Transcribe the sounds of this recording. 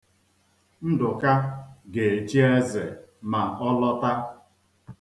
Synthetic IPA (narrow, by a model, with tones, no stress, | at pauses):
n̩˦dʊ˨ka˦ɡe˨e˨t͡ʃi˦e˦zḛ˨ma˨ɔ˦lɔ˦ta˦